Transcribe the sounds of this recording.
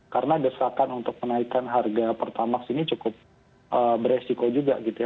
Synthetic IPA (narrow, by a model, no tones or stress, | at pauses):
kaɾənadəsakanunt̪ʊk̚mənaikanɦarɡapərt̪amaksinit͡ʃukʊp̚ | ʔəbəɾesikod͡ʒuɡa̰ɡit̪uja